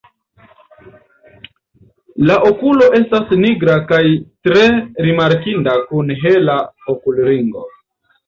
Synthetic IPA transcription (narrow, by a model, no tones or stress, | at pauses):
laʔo̞kulo̞ʔe̞stasniɡɾakajtɾe̞ɾimaɾkindakunɦe̞laokulɾiŋɡo̰